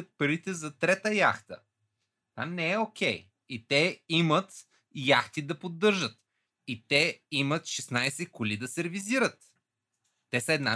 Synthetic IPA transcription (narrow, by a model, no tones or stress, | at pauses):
ət̪̚pɐɾit̪ɛzɐt̪ɾɛt̪əja̰xt̪ə̰ | t̪anɛɛok̟ʰʲɛj | it̪ɛimət̪ | jaxt̪id̪ɐpod̪ːɤɾʒət̪ | it̪ɛimət̪ʃɛsnajsɛkʊlid̪ɐsɛɾɛviziɾət̪ː | ɛsɐɛd̪na